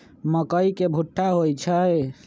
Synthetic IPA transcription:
məkəikebʱuʈʰːaɦojt͡ʃʰəj

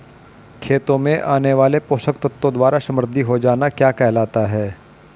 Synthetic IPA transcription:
kʰeːt̪õmẽʔaːneʋaːlepoːʃəkt̪ɐt̪ːõd̪waːɾasɐ̃mɾɪd̪ʱiɦod͡ʒaːnakjaːkɛɦlaːt̪aɦɛː

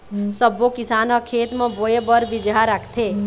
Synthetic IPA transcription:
səbokɪsanʌkʰeːt̪mə̃boebəɾʋid͡ʒaɾakʰt̪ʰe

